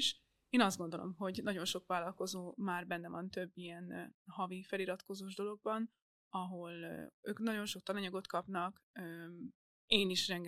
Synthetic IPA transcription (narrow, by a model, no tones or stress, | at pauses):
ʃ | eːnɒzd̪ɡo̞nd̪o̞lʔo̞̰mɦo̞ɟnɒɟo̞nʃo̞kʋaːlːɒlko̞zoːmaːrbɛnːɛvɒnt̪ø̞bːijɛnhɒvifɛliɾɒt̪ko̞zoːʒd̪o̞lo̞ɡ̚bɒn | ɒɦo̞lø̰ːknɒɟo̞nʃo̞kt̪ɒnɒɲɒɡo̞t̪kɒpnɒkøː | eːniʃrɛŋɡ